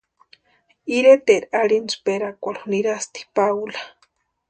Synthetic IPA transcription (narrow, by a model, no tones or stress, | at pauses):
iɾet̪eʔɾaɽinspeɾakʷaluniɾast̪i̥pawlḁ